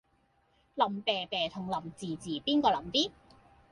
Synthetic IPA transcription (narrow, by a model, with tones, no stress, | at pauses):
lɐ˨˩mpɛː˨˩pɛː˨˩t̪ʰʊ˨˩ŋlɐ˨˩mt͡siː˨˩t͡siː˨˩piː˥nkɔː˧lɐ˨˩mt̪iː˥